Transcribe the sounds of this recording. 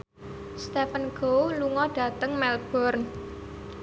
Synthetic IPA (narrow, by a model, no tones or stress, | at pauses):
st̪ɛfənɡ̥owluŋɔɖ̥ä̤t̪əŋmɛlb̥ɔrn